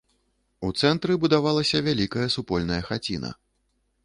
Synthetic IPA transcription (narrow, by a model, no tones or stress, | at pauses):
ut̪sɛnt̪ɾɨbud̪avalˠɐsʲɐvʲalʲikɐjɐsupɔlʲnɐjɐxat͡sʲinɐ̰